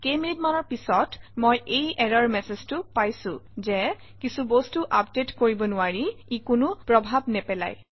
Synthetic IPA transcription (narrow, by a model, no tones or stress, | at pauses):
kejminitmanɔɹpisɔtmojʔejɛɹaɹmɛseztʊpajsʊ̃zɛ | kisubostuʔapdetkoɹibɔnʊaɹiikʊnʊpɹɔbʱabnɛpɛla̰j